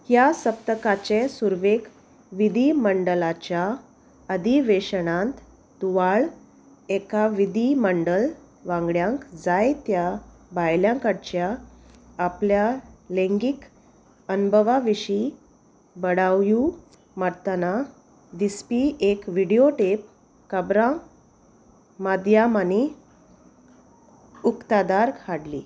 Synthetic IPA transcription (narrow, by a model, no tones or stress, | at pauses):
hjasəp̚t̪əkat͡ɕesuɾʋek | ʋid̪ʱiməɳɖəlat͡ɕja | əd̪ʱiʋeɕəɳãnt̪ | t̪uʋaɭ | ekaʋid̪iməɳɖəl | ʋãŋɡɭjãŋkd͡zajt̪ja | bajljãŋkaʈt͡ɕjaː | pljalẽŋɡik | ənbʱəʋaʋiɕi | bəɽawju | maɾt̪ana | d̪ispiʔekʋiɽioʈep | kəbɾã | mad̪jamani | ukt̪ad̪aɾkʰaɽlḭː